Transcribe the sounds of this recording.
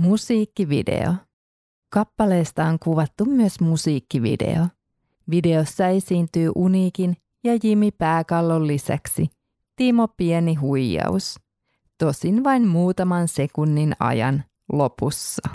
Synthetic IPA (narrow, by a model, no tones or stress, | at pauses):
musiːkːiʋḭdḛo̰ | kɑpːɑle̞ːst̪ɑoŋkuʋɑt̪ːumːyəsmusiːkːiʋḭde̞̰o | ʋide̞osːɑe̞siːnt̪yːʔuniːkin | jɑjimipæːkɑlːolːisæ̰ksi | t̪imo̞pieniɦujjɑ̰us | t̪o̞sinʋɑinmuːt̪ɑmɑnse̞kunːinɑ̰jɑ̰n | lo̞pusːɑ